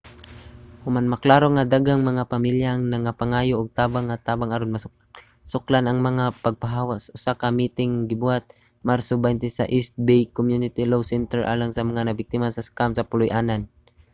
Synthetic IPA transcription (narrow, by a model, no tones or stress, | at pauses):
hʊmanmɐklaːɾoŋad̪aɡaŋmɐŋapamiljaʔŋnɐŋapaŋaːjoʔːɡ̚t̪aːbaŋːat̪aːbaŋaɾonmas | sʊklanɐŋmɐŋapɐɡ̚paɦaːwasʔʊsakamit̪ɪŋɡɪbʊhat̪̚ | maɾsobajnt̪ɛsa̰ʔist̪̚bejkomjunɪt̪ilowsɛnt̪ɛɹʔa̰ːlaŋsɐmɐŋanɐbɪk̚t̪ɪmasɐskamsɐpʊlʊjʔaːnan